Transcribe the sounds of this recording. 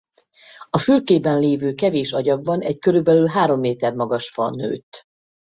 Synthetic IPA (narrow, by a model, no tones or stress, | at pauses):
ɒfylkeːbɛnleːvøːkɛveːʃɒɟɒɡ̚bɒnɛɟkøɾybɛlylɦaːɾo̞mːeːt̪ɛrmɒɡɒʃfɒ̰nø̰ːt̪